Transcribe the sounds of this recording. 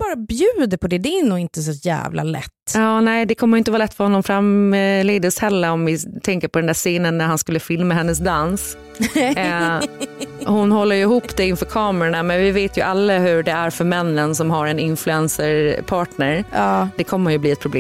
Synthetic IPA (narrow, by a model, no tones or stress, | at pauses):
bɑːɾabjʉ̟ːd̪əpʰɔd̪ɛd̪ɛːnuːɡɪnt̪əsɔjæ̰ːvla̰lɛ̰t̪ːɑːnɛɪd̪ɛkʰɔmːɾjʏɪnt̪əvɑːlɛt̪ːfœɾhɔnːɔmfɾamleːd̪ɪɔshɛlːəɾɔmvɪt̪ʰɛŋkəɾpʰɔd̪ɛnd̪æːseːnənːæɾhanskɵlːəfɪlmaɦɛnːəs̬d̪ans | hʊnhɔlːəjɵɪhuːpd̪ɛɪnfœːɾkʰɑːmɛɾaɳamɛnvɪveːt̪jɵʔalːaɦɵɖɛæɾfœɾmɛnːənsɔmɦaɾɛnɪnflʉɛnsəɾpʰɑːʈɳəɾːd̪̥ɛkʰɔmːəhʊjɵbliːɛt̪̚pʰɾʊbleː